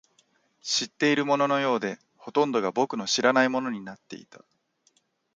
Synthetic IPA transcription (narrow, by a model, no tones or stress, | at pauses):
ɕit̪ːe̞iɾɯ̟mo̞no̞no̞jo̞ːd̪e̞ | ho̞t̪õ̞nd̪o̞ɡabo̞kɯ̟no̞ɕiɾanaimo̞no̞ɲ̟inat̪ːe̞̰ḭt̪ḁ